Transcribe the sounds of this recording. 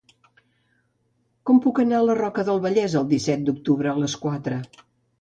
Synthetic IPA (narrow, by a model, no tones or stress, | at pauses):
kɔmpukənaələrɔkəðəlˠβəʎɛzəlˠd̪isɛt̪̚d̪uk̚t̪uβɾəːləskwat̪ɾə